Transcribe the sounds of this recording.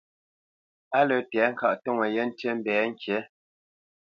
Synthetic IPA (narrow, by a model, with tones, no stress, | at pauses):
a˦lə˨tɛ˨˦ŋ̩˦˨ka˦˨ʔto˦˨ŋə˨je˦n̩˦te˦m̩˦bɛː˨˦ŋ̩˦kje˨˦